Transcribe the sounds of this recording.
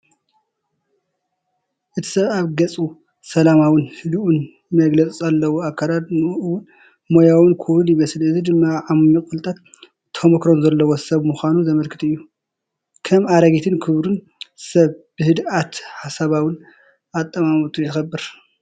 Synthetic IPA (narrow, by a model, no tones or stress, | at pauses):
ʔɨt̪ʰi̥sɐβaβɡɐt͡sʼu | sɐlamawɨnhɨd̪ʔun | mɐɡlɐt͡sʼzalːɐwuakʰːalad̪nɨʔɨwʊn | mojawɨnkʰuβɾunjɪβɐsɨlɨzid̪ɨmːaʕamuɲifʼult̪ʼat̪ːʰ | omɐkɾonzɐlːɐwosɐβmuxʷanuzɐmɐlkʰɨt̪ʰɨjːu | kʰɐmaɾɐɡet̪ʰɨnkʰɨβɾun | sɐβb̥ɨhɨd̪ʔat̪ħasaβawɨn | at̪ʼːɐmamɨt̪ʰʼujɪxɐbːɨɾ